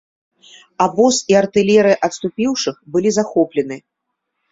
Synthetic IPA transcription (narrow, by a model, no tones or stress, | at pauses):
abɔsiart̪ɨlʲɛɾɨjɐʔɐt̪st̪upʲiwʂɨxbɨlʲizaxɔplʲɛnɨ